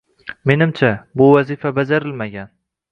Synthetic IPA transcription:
me̞nɪmt͡ʃʰabʊvazifabad͡ʒaɾɪlmaɡʲan

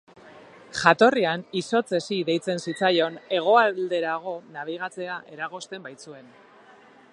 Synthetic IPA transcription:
ʝat̪o̞rianiso̞t͡se̞siðe̞jt͡se̞nsit͡sajo̞ne̞ɣ̞o̞ald̪e̞ɾaɣ̞o̞naβ̞iɣ̞at͡se̞aʔe̞ɾaɣ̞o̞st̪e̞mbajt͡sue̞n

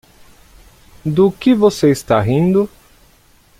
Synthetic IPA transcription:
d̪ʊkɪvoseist̪aɦĩnd̪ʊ

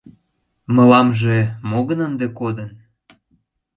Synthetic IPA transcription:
mə̆lɑmʒemoɣənənd̪ekod̪ən

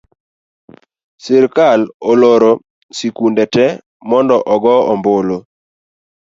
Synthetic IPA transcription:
sɪɾkaloloɾo | sikundɛtɛ | mɔndɔʔɔɡɔɔmbolo

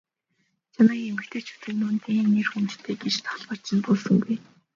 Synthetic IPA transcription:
t͡ɕʰanaɡʲiemɘ̆kt̪ʰeːt͡ɕʰu̥t̪ɘ̆knʊnt̪ʰeːnːerxɵnt͡ɕɬt̪ʰeːɡet͡ɕt̪ʰḁɮpə̆r̥t͡ɕɪ̆ɮpʊːsɵ̆ŋɡuj

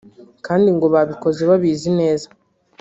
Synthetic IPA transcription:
kaːndiŋɡo̞βaβiko̞zeβaβiːzine̞ːzḁ

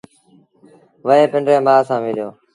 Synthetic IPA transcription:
ʋəẽːpɪɳɖɾẽːmaːsãːʋɪːljoː

